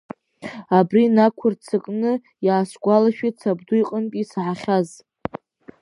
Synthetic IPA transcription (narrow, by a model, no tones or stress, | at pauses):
abrinakʷʰʊrt͡sʰɨkʼnɨ | jaːsɡʷalaʃᶣit͡sʰabdujqʼənkʼisʕaχʲaz